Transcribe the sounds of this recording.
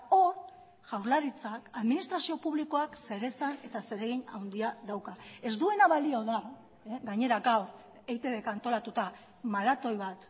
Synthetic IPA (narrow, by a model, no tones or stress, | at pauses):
oɾ | ʝawɾlaɾit͡sakaðminist̪ɾasio̞puβliko̞akse̞ɾe̞sane̞t̪ase̞ɾe̞ɣ̞iɲa̰wnd̪iaðawkae̞zd̪ue̞naβalio̞ða | ɡaɲe̞ɾaɡawɾ | ejt̪eðekant̪o̞lat̪ut̪a | malat̪o̞jβat̪